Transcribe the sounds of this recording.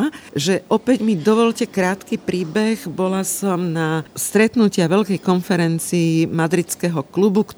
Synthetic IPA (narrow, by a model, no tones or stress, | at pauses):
ʒɛʔɔpɛɟmid̪ɔʋɔʎcɛkɾaːt̪kipɾiːbɛɣbɔlasɔmnast̪ɾɛt̪nucɪaʋɛʎkɛjkɔnfɛɾɛnt͡siːmad̪ɾit͡skɛɦɔklubuk